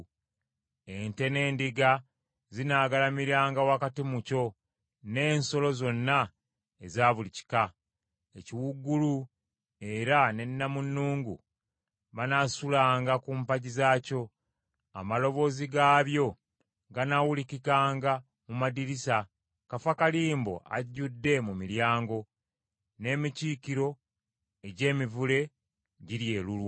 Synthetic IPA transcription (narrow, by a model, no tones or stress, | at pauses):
ente̞ne̞ːndiɡa | zinaːɡalamiɾaːŋɡawakatimuco̞ | ne̞ːnso̞lo̞zo̞nːa | ezaːβulici̥ka | eciwuɡːulu | e̞ɾane̞nːamunːuːŋɡṵ | βanasulaːŋɡakumpaɟizaːco̞ | a̰malo̞βo̞ːziɡaːβjo̞ | ɡanawulikikaːŋɡa | mumadiɾisa | kafakaliːmbo̞̰ʔa̰ɟːudːe̞mumiljaːŋɡo̞ | ne̞ːmiciːkiɾo̞ | eɟe̞ːmivule̞ | ɟiɾje̞ːlulwa